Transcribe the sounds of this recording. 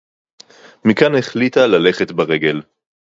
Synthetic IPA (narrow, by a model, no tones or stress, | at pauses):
mikane̞χlitalale̞χetbaʁe̞ɡe̞l